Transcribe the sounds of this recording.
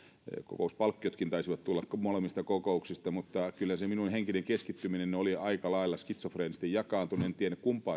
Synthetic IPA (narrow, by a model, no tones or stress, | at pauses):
ko̰kouspɑlkːiot̪kint̪ɑisiʋɑt̪t̪ulːɑkkmolemist̪ɑkokouksist̪ɑmut̪ːɑkylːæseminunheŋkineŋkeskit̪ːyminenoliɑikɑlɑilːɑskit̪sofreːnist̪ejɑkɑːnt̪unient̪iænːækkumpɑː